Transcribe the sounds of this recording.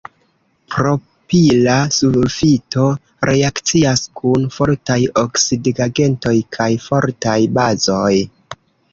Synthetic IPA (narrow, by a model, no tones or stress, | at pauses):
pɾo̞ | pilasufito̞ | ɾʔe̞akt͡siaskʰunfo̞ɾtajoksidɡaɡe̞nto̞jkʰajfo̞ɾtajbazo̞j